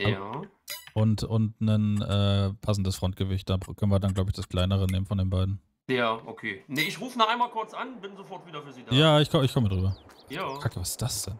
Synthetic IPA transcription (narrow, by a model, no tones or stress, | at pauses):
jaː | ʔʊntʊntnənʔɛːpʰasn̩dəsfʁ̥ɔnt̚ɡ̥əvɪçt̚d̥aːbkʰœnən̩viɐdanɡlaʊbɪçd̥askl̥aɪnəʁəneːmənfɔndeːnbaɪdn̩ | jaːʔokʰeːnəʔɪçʁuːfənaʔaɪnmalkʰʊɐt͡sʔanbɪnzofɔɐtviːdɐfyːɐziːdajaːɪçkʰɔəɪçkʰɔmədʁyːbɐ | jaːkʰakəvasɪ̥sd̥asd̥ɛn